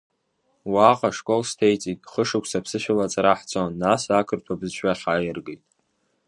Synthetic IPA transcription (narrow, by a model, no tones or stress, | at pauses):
waqʼaʂkʼo̞lstʰejt͡sʼitʼχəʂɨkʷʰʼsapʰsɨʃᶣɪlat͡sʼaɾaħt͡sʰʼonːasakʰɨrtʰabzt͡ʃʷʰᶣaχʲaːjɪrɡejtʼ